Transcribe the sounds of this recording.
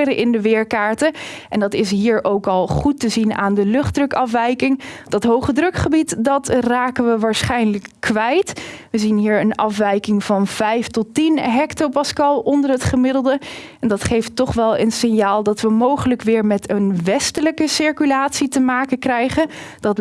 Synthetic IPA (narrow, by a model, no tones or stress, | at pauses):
ɾəʔɪndəʋɪːɹkaːɹtəʔɛndɑtɪs̬ɦiːɹʔowkɑlˠχutəzina̰ːndəlɵχdrɵkɑfʋɛjkɪŋd̥ɑtɦowχədrɵkχəbitdɑtraːkənʋəʋaːɹsχɛjnləkːʋɛjtʋəzinɦiːɹənɑfʋɛjkɪŋv̥ɑnv̥ɛjftɔtinɦɛktopɑskɑlˠɔndəɹɦətχəmɪdəlˠdə | ɛndɑtχejftːɔχʋɛlˠə̰nsɪnjaːlˠdɑtʋəmowχələkʋɪːɹmɛtənʋɛstələkəsɪɹkylaːtsitəmaːkənkrɛjχənd̥ɑt